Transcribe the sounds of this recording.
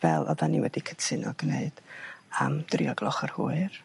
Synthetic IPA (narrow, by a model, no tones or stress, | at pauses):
vɛlˠɔðaniwɛdikʰətʰɨnɔɡneɨd̥amd̥riɔɡlˠɔχərhuːɨr